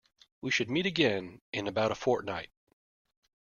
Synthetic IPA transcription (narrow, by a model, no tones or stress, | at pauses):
wiʃɨd̚miɾɨɡɛ̃nʔɨ̃nɨbaʊɾəfɔɹtⁿnaɪt̚